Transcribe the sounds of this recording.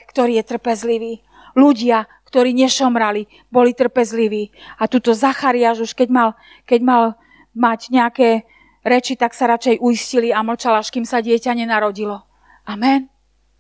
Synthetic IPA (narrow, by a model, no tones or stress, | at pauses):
kt̪ɔɾiːjɛt̪r̩pɛzliʋiː | luɟɪa | kt̪ɔɾiːɲɛʃɔmɾali | bɔlit̪r̩pɛzliʋiːat̪uːt̪ɔzaxaɾiaːʒuʃkɛɟmal | kɛɟmal | maɟɲɛakɛː | ɾɛt͡ʃit̪aksaɾat͡ʃɛjʔuisciliaml̩t͡ʃalaʃkiːmsaɟɪɛcaɲɛnaɾɔɟilɔ | amɛn